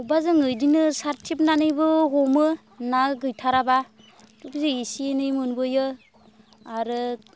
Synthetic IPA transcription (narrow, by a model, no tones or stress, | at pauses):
ubazɯŋɯjdinɯsaɾtʰip̬̚nanɯjbɯɦɔmɯ | naɡɯjtʰaɾaba | dukzeisienɯjmɯnbɯjɯ | aɾɯ